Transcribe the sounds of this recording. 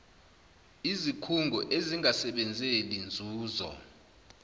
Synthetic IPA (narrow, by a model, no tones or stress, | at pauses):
izikʰuŋɡʱɔʔeziŋʱasɛɓɛnd͡zʱelind͡zʱuːzɔ̰